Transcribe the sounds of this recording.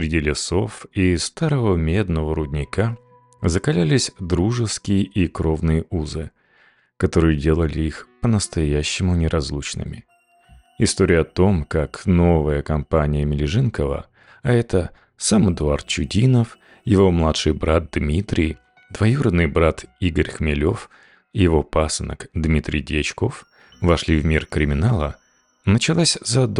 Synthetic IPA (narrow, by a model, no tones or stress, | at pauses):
sɾʲɪdʲilʲɪso̞fist̪aɾəvəmʲe̞d̪nəvəɾʊdʲnʲɪkʰa | zəkɐlʲælʲɪsʲd̪ɾuʐɨskʲɪjəʔikɾo̞vnɨjəuzɨ̰ | kɐt̪o̞ɾɨjʊdʲe̞lˠəlʲɪixpənəst̪ɐjæɕːɪmʊnʲɪɾʔɐzlˠut͡ɕnɨ̰mʲɪ̰ | ɪst̪oɾʲɪjəɐt̪o̞mkakno̞vəjəkɐmpanʲɪjəmʲɪlʲɪʐɨnkəvə̰ | ɐɛt̪ə | saməd̪ʊart̪̚t͡ɕʊdʲinəf | jɪvo̞mlˠat̪ʂɨjbɾat̪̚d̪mʲit̪ɾʲɪj | d̪vɐjuɾəd̪nːɨjbɾat̪iɡəɾʲxmʲɪlʲo̞f | ɪjɪvo̞pasənə̰kd̪mʲit̪ɾʲɪjdʲɪɐt͡ɕko̞f | vɐʂlʲivmʲirkɾʲɪmʲɪnalˠə | nət͡ɕɪlˠasʲzɐd̪